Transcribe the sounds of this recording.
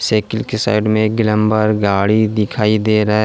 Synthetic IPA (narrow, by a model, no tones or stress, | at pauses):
seːkɪlkesa̰ːɪɖmẽɡɪlə̃mbəɾɡaːɽid̪ɪkʰaːid̪eːɾɐɦe